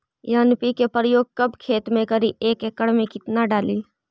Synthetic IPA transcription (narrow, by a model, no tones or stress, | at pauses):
jaːnpikepɾəjoːɡ̚kəbkʰeːt̪mẽkəɾiʔeːkekəɽmẽkɪt̪naɖaːliː